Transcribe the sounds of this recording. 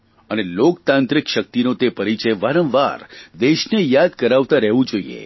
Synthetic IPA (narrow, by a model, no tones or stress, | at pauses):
ənelokt̪ãnt̪ɾikʃək̚t̪inot̪epəɾit͡ʃəjʋaɾə̃mʋaɾd̪eʃnejad̪̚kəɾaʋt̪aɾɛɦʋũd͡ʒoiḛ